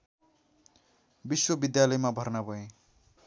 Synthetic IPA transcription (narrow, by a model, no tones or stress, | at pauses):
biswʌbid̪jalʌjmabʱʌrnabʱʌẽ